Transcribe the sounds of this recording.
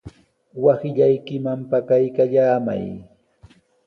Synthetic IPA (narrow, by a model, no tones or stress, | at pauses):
wasɪʎajkɪmampakajkaʎaːma̰j